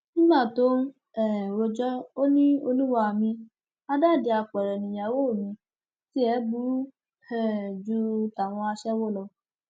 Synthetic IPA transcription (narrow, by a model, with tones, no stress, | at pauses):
nĩ˦mã˦˨to˦ | ɛ˨ɾo˧d͡ʒɔ˦o˦nĩ˦o˧lu˦wa˧˨mĩ˧ | a˦da˦˨de˧a˨k͡pɛ˨ɾɛ˨nĩ˨jã˨wo˦˨mĩ˧ | ti˦ɛ˨˦bu˦ɾ | hɛ˦˨d͡ʒu˧˦ta˨w̃ɔ̃˧a˧ʃɛ˦wo˦lɔ˧